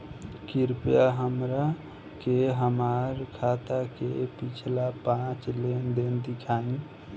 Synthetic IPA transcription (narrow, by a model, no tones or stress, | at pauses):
kiɾpjaɦəmɾa | keɦəmaɾkʰat̪akepit͡ʃʰlapãt͡ʃlend̪end̪ikʰaĩ